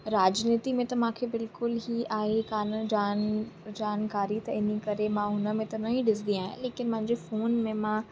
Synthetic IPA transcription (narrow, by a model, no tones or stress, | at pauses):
ɾaːd͡ʑniːt̪imẽt̪ɐmãkʰebɪlkʊlɦiaːɦekaːnd͡ʑaːnd͡ʑaːnkaːɾit̪ɐɪnikɐɾemãɦʊnə̆mẽt̪ɐnɐĩɗɪsd̪ĩaːɦɪ̰̃leːkɪnmɐ̃ɦɪ̃ɲd͡ʑefoːnmẽmã